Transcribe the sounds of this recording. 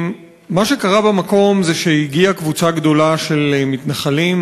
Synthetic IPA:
maʃe̞kaʁabemako̞mzeʃeiɡiakvut͡saɡd̪o̞laʃe̞lmitnaχalim

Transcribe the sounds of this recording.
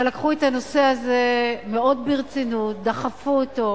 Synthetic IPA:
elakχuetano̞se̞aze̞meo̞dbiʁt͡sinut̚d̪aχafuoto

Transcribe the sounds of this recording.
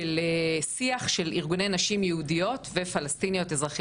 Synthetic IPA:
elesiaχʃe̞lḭʁɡune̞jnaʃimjeudijo̞tve̞falastinijo̞tezʁaχi

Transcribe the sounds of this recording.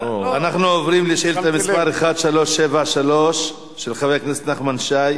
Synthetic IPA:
oanaχnuovʁimleʃilet̪amispaʁeχad̪ʃalo̞ʃːevaʃalo̞ʃː | elχaveakneset̪naχmanʃaj

